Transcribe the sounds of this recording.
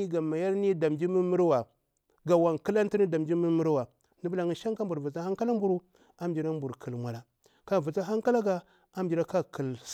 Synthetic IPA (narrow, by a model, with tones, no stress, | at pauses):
i˦ɡa˨ma˨ja˦ɾni˦da˨md͡ʒi˦mi˦mi˦ɾwa˨ | ɡa˨wa˨ŋkə˦la˦n˦ti˦ni˦da˨md͡ʒi˦mi˦mi˦ɾwa˨ | ni˦bu˦la˨ŋi˦ʃa˦ŋka˦mbu˨ɾvu˨t͡sa˦a˦ŋka˦la˦m˦bu˦ɾu˦ | a˦m˦d͡ʒi˨ɾa˦mbu˨ɾkʰə˨lmʷa˨la˨ | ka˦˨vu˨t͡sa˦ɦa˦ŋka˦la˦ɡa˨ | a˦md͡ʒi˨ɾa˦ka˦kʰə˨l